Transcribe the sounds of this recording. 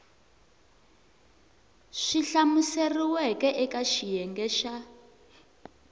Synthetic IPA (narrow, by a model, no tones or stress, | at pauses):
ʂiɬamuseriwɛkɛʔɛkaʃijɛŋɡɛʃa